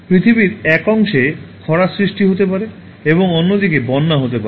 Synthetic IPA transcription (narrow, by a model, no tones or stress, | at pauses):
pɾit̪ʰibiɾɛkɔŋʃekʰɔɾasɾiʃʈiɦot̪epaɾe | eboŋonːod̪ikebɔnːaɦot̪epaɾe